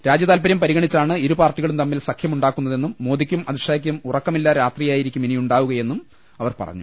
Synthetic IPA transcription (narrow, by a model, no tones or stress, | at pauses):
ɾaːd͡ʑjɐðaːlpɐɾjɐmpɐɾiɣɐɳit͡ɕːaːɳɨiɾupaːrʈːiɣɐɭumt̪ɐmːilsɐkʰjɐmuɳɖaːkːunːɐðe̞nːumːoːd̪ikʲːumɐðiʂaːik̬ʲːumurɐkːɐmilːɐɾaːt̪rijaːjiɾikʲːuminijuɳɖaːʋuɣɐje̞nːum | ɐʋɐrpɐ̰rɐ̰ɲːu